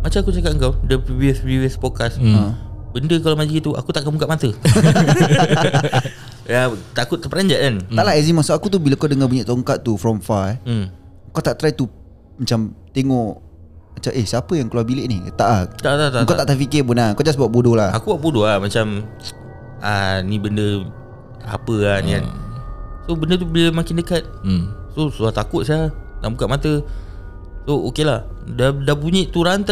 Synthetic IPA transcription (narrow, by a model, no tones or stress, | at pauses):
mat͡ʃamakut͡ʃakat̚əŋkawdəpiviəspɾivəspɔkasəbəndəkalawmad͡ʒit̪ua̰kut̪aʔkəmukaʔ̚mat̪ə | jat̪akʊt̪̚ːəpəɾaɲd͡ʒaʔant̪aʔlaɛzimasuʔakut̪ubilakawdəŋabuɲaʔt̪ɔŋkat̪̚ːufɾɔmfaɛ | kawt̪aʔt̪ɾait̪u | mat͡ʃamt̪eŋɔʔ | mat͡ʃamʔehsapəjaŋkəluabileʔnit̪aʔat̚t̪at̪at̪atkawt̪aʔt̪afikepunaŋkod͡ʒas̬buat̪ʔ̚bodolahakuwaʔ̚bodolahmat͡ʃam | anibəndə | a̰pəania̰n | sobəndət̪̬ubələmakɪndəkat̪̚sosuat̪akʊt̪̚siana̰ʔbukat̪ʔ̚mat̪ə | sookelahdadabuɲiʔt̪uɾant̪